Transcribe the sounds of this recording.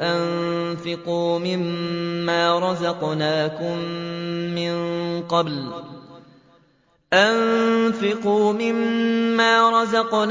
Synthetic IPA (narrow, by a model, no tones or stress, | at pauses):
ʔanfɪquːmɪmːaːɾˤɑzɑqnaːkʊmː | ɪnqɑbl | ʔanfɪquːmɪmːaːɾˤɑzɑqn